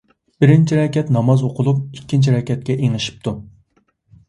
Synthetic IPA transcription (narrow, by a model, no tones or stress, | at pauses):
b̥ɪɾɪnt͡ʃʰiɾɑkʲʰɛt̪nɑmɑzoqʰʊlˠup̚ikʲːint͡ʃʰiɾɑkʲʰɛt̪̚kʲɛʔeŋɨʃi̥p̚t̪ʰu